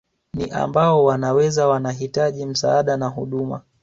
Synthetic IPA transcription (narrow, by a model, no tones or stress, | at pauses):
niʔa̰mbaɔwanawɛzawanaɦitaʄim̩saːɗanaɦuɗuma̰